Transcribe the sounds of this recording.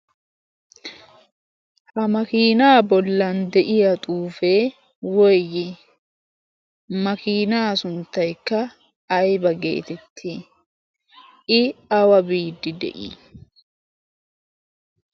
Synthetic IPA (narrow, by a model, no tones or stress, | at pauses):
hɐmɐkiːnaːbɔlːɐnd̪ɛʔɪjɐt̪ʼuːfeː | wɔjjɪ | mɐkiːnaːsʊnt̪ːɐjkːɐː | jbɐɡḛːt̪ɛt̪ʰːiː | ʔɪɐwɐbiːd̪ːɪd̪ɛ̰ʔḭː